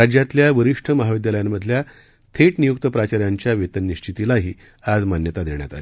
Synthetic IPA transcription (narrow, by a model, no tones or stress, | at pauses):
ɾad͡ʑjat̪ljaʋəɾiʂʈʰəməɦaʋid̪jaləjamːəd̪ʱlja | t̪ʰeʈnijuk̚t̪əpɾat͡ɕaɾjaɲt͡ɕjaʋet̪ənːiɕt͡ɕʰit̪ilaɦiː | ad͡zmanjət̪ad̪ʱeɳjat̪a̰le